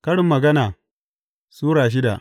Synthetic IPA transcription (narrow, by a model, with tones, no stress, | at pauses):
kɐ˦ɽɪ˨mːɐ˨ɡɐ˦naː˨ | suː˦ɽaː˨ʃ̬ɪ˦da̰˨ʔ